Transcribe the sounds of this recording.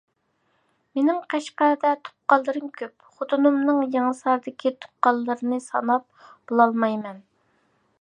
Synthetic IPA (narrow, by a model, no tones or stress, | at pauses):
menɪŋqʰɛʃqæd̪ɛt̪ʰo̥qːɑlˠːɨɾɨmkʲʰøp | χot̪unumnɨŋjɑŋɨsɑɾd̪ɪkʲit̪ʰo̥qːɑlˠːɨɾɨnɨsɑ̰nɑp̚ | b̥olˠɑlˠmɑjmɛn